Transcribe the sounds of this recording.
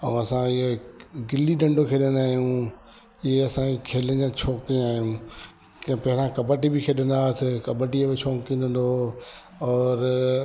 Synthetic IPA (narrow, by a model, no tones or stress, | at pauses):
ɐ̃ɐsãɪeɡɪliɖɐ̃ɳɖʱokʰeɗind̪aːɦijũ | ieɐsãikʰeːlə̃d͡ʑãt͡ɕʰoːkĩaːɦijũ | kpɐɦɪɾãkɐbəʈibɪkʰeɗɪ̃n̆d̪aːɦt̪ʰɪkɐbəʈiebet͡ɕʰõːkĩːnd̪ə̃n̆d̪o | ɔːɾ